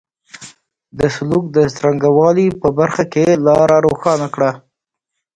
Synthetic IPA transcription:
d̪əsʊluk̚d̪əsɾaŋɡawɑlipəbaɾxakelɑɾaɾoxɑnakɽa

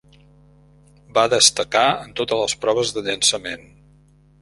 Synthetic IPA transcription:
baðəst̪əkaənt̪ot̪ələspɾɔβ̞əzðəʎənsəmen

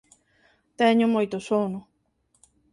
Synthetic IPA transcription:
t̪eɲomojt̪osono

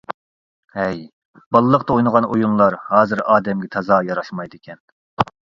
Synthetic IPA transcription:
hɛj | bɑlˠːəqt̪ɑojnəʁɑnojunlˠɑɾhɑːzɨɾɑːd̪ɛmɡʲɛt̪ʰɑzɑːjɑɾɑʃmɑjd̪ɪkʲʰɛn

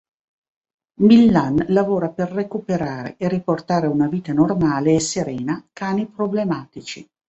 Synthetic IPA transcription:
milːanlavoːɾaperːekupeɾaːɾḛʔeriport̪aːɾeunaviːt̪anormaːleːseɾɛːnakaːnipɾoblemaːt̪it͡ʃi

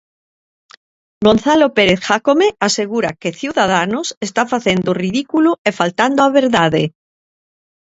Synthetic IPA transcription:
ɡonθalopeɾeθxakomeaseɣuɾakeθjuwðaðanosest̪afaθend̪oriðikuloefalt̪and̪oaβeɾðaðe

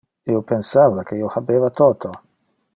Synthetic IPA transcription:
iopensavakʰeiohabeːvat̪oːt̪ʰo

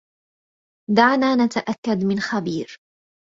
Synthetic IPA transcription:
d̪aʕnaːnat̪aʔakːad̪mɪnxabiːɾ

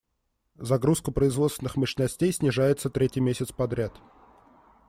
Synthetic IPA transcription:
zɐɡɾuskəpɾəɪzvot̪st̪ʲɪnɨxməʂɪnɐsʲtʲejsʲnʲɪʐajɪt̪sət̪ɾʲetʲɪjmʲesʲɪt̪spɐd̪ɾʲat̪

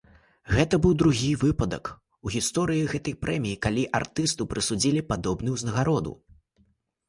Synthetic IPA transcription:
ɣɛt̪ɐbɨwd̪ɾuɣʲivɨpɐd̪ɐ̰k | uɣʲist̪ɔɾɨjiɣɛt̪ɐjpɾʔɛmʲijikalʲiʔa̰rt̪ɨst̪ɐpɾɨsud͡zʲilʲipad̪ɔbn̪ɨwznɐɣaɾɔd̪ṵ

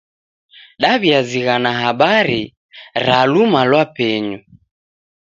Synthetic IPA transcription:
ɗaβiaziɣanaɦaɓaɾi | ɾalumalwapɛɲu

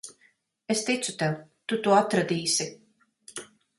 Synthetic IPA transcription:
est̪it̪sut̪ɛwt̪ut̪uɔat̪ɾad̪iːsi

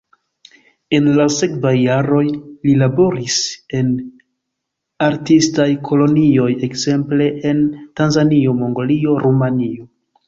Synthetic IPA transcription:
e̞nlase̞kvajːaɾo̞jlilabo̞ɾise̞n | aɾtistajkʰo̞lo̞nio̞je̞kz̥e̞mple̞ʔentanzanio̞mo̞ŋɡolio̞ɾumanio̞

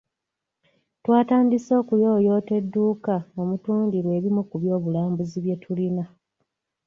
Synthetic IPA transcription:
twaːtaːndiso̞ːkujo̞ːjo̞ːte̞dːuːkao̞mutuːndiɾwe̞ːβimukuβjo̞ːβulaːmbuziβje̞tʰulina

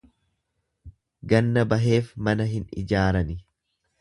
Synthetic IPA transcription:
ɡɐnːɐbɐɦe̞ːfmɐnɐɦɪnɪ̰d͡ʒaːɾɐnɪ

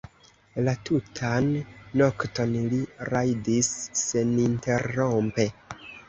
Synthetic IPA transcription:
latutʰanːo̞kto̞nliɾajdisːe̞ninte̞ɾːompe̞

